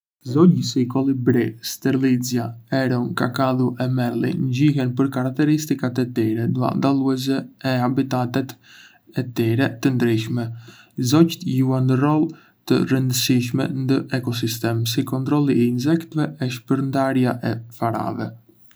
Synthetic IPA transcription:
zɔɟəsikɔlˠibɾist̪ɛɾlid͡zjaɛɾunka̰kaðuʔɛmɛɾlˠḭnd͡ʑiɦɛnpəɾkaɾak̚t̪ɛɾist̪ikat̪ɛt̪iɾɛd̪ua̰nd̪alˠuɛz̬ɛɛabit̪at̪ɛt̪ | ɛt̪iɾɛt̪ənd̪ɾiʃmɛ | zɔct̪juanərɔlˠ | t̪ə̰rənd̪əsiʃmɛ̰nd̪əʔɛkɔs̬ist̪ɛmsikɔnt̪ɾɔlˠiɛinzɛkt̪vɛɛʃpəɾnd̪aɾjaʔɛfaɾa̰vɛ

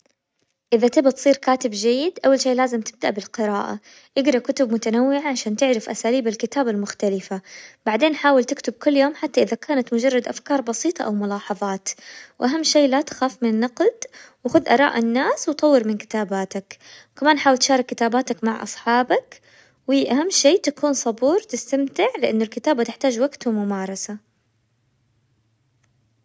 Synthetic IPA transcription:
ʔɪðat̪ɪbat̪sˤiːɾkaːt̪ɪbd͡ʒajːɪd̪ʔawːalʃeːʔlaːzɪmt̪ɪ̥b̚d̪aʔbɪlqɪɾaːʔa̰ | ʔɪɡɾˤɑkʊt̪ʊb̚mʊt̪anawːɪʕaʕaʃaːnt̪ɪʕɾɪfʔasaːliːbalkɪt̪aːbalmʊxt̪alɪfab̥aʕd̪eːnħaːwɪlt̪ɪkt̪ʊb̚kʊlːjoːmħat̪ːaʔɪðakaːnat̪mʊd͡ʒɑrˤːɑd̪ʔa̰fkɑːɾˤbɑsiːt̪ˤɑ̰ʔawmʊlɑːħɑðˤɑːt̪wʔaɦamːʃeːlat̪ḁxaːfmɪnanːɑqld̪wɪxʊðʔɑɾˤɑ̰ːʔɪnːaːswt̪ˤɑwːɪɾmɪnkɪ̥t̪aːbaːt̪akwkamaːnħaːwɪlt̪ʃɑːɾˤɪkːɪt̪aːbaːt̪akmaʕʔɑ̰sˤħɑːbak | wiʔaɦamːʃeːt̪akuːnsˤɑbuːɾt̪ɪst̪amt̪ɪʕlɪʔanːʊlkɪt̪aːbat̪ɪħt̪aːd͡ʒwaɡt̪ʊmʊmɑːɾˤɑsa

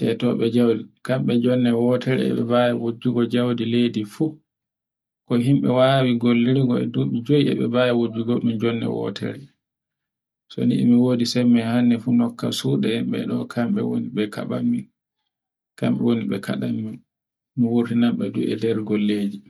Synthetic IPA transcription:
tɛtɔɓɛd͡ʒawdikamɓɛd͡ʒɔnːɛwɔtɛɾɛ̰ɛ̰ɓɛbajawod͡ʒːuɡɔd͡ʒawdiledifu | kɔɦimɓɛwaːwiɡolːiɾiɡɔɛ̰duɓid͡ʒojiɛ̰ɓɛbajawod͡ʒːuɡɔɗumd͡ʒɔnːɛ̰wɔ̰tʰɛ̰ɾɛ | sɔ̰nḭʔḭmiwodisɛmːɛhanːɛfunɔkːasuɗɛhimɓɛ̰ɗɔkʰamɓɛ̰wo̰niɓɛka̰ɓamːin | kamɓɛ̰woniɓɛka̰ɗamːin | miwuɾtinamɓɛdṵɛ̰dɛɾɡolːeːd͡ʒi

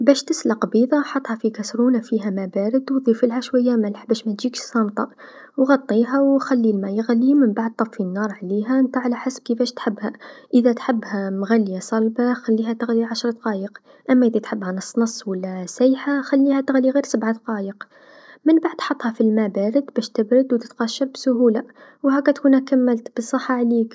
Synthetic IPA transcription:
bæʃt̪əslaqbiðˤɑħɑt̪ˤːhɑfikæsɾuːnafiɦæmæbæɾəd̪wðˤifəlhæʃwæjːæmælħbæʃmæt̪ʒiːkʃsˤɑmt̪ˤɑ | wɣɑt̪ˤːiɦæwxælːilmæjəɣlːimənbaʕd̪̚t̪ˤɑffinːɑːɾˤʕliɦænt̪aʕlæħasb̚kifæːʃt̪ħəbːhæʔəðæt̪ħɪbːhæmɣalːjasˤɑlbaxalːiːɦæt̪ɪɣliʕaʃɾˤɑd̪ɑqɑːjəq | ʔamːæʔəðæt̪ħɪbːhænɑsˤːnɑsˤːwalːæsajħaxælːiːhæt̪ɪɣliɣiːɾsabʕad̪ɑqɑːjəq | mɪnbaʕd̪ħɑt̪ˤːhɑfilmabaːɾɪd̪bæːʃt̪ɪbɾɪd̪wt̪ɪt̪qɑʃːɑɾbsʊɦuːlawhæːkːæt̪kuːnhækamːɪlt̪b̥əsˤɑħːɑʕliːk

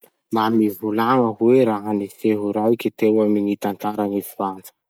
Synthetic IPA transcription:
mamivulaŋəɦweɾaɦaniseɦuɾaikʲit̪ewaminit̪ant̪aɾanifivand͡zə̥

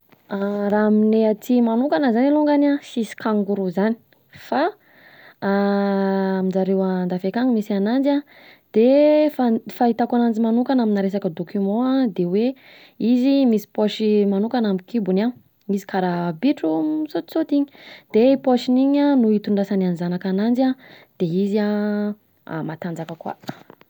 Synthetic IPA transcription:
aramineat̪imanukanəzaniluŋɡanasisi̥kaŋɡuɾuzani̥ | fa | aminzaɾewand̪afekaŋumisianand͡za | d̪̥efafait̪akanand͡ʒimanukanaminaɾesakəd̪okʰymɔ̃ad̪ewe | izimisi̥poʃimanukanamikʰibuna | misi̥kaɾabiʈ͡ʂusot̪i̥sot̪iɲi̥d̪̥epoʃiniɲanuit̪uɳɖ͡ʐasananizanakanand͡zad̪̥eizia̰ | mat̪and͡zakəkwa̰̥

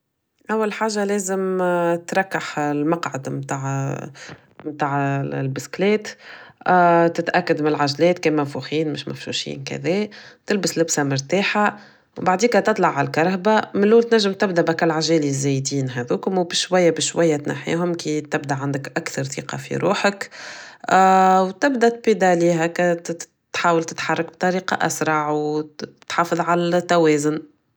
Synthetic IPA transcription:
ʔæwːalħaːʒːalɛːzɪmt̪ɾˤɑkːaħlmɑqʕad̪mt̪aːʕ | mt̪aːʕlbɪsklɛːt̪ | t̪ɪt̪ʔækːad̪mɪnɪlʕaʒlɛːt̪kɛːmæfuxiːnmɪʃmæ̰fʃṵʃḭːnkæ̰ðɛːt̪ɪlbɪslɪbsamʊɾt̪aːħa | wbaʕd̪iːkæt̪ɨt̪ˤlɑʕalkɑɾˤɦbamɪlːuːlt̪næʒːɪmt̪ɪbd̪æʔbækælʕaʒɛːlizːɛjd̪iːnɦæðuːkʊmwbɪʃwæjːæbɪʃwæjːæt̪na̰ħḛːɦʊmkit̪ɪbd̪aʕand̪əkʔakθɑɾˤθḭːqɑ̰fḭɾuːħək | wt̪ɪbd̪æʔt̪̚bid̪aliːɦækæ | t̪ħaːwəlt̪ɪ̥t̪ħɑrˤːɑk̚b̚t̪ˤɑɾiːqɑ̰ʔa̰sɾˤɑʕwt̪ħɑːfɨðˤʕalæt̪ːæwɛːzʊn

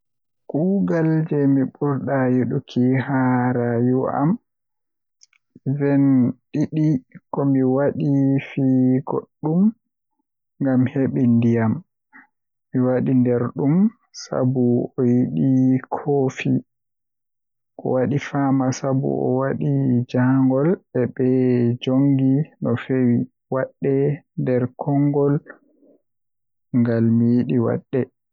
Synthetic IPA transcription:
kuɡald͡ʒɛmiɓuɾɗajuɗukʰiɦaɾajua̰m | vɛnɗiɗikɔmiwaɗifiːɡo̰ɗːum | ŋɡamheɓindijamː | iwaɗindɛɾɗum | sa̰buɔjiɗikʰoːfi | ʔɔ̰waɗifamasabṵʔɔ̰waɗid͡ʒaŋɡɔlɛbɛd͡ʒoŋɡinɔfewi | waɗːɛndɛɾkʰɔŋɡɔl | ŋɡalmijiɗiwa̰ɗːɛ

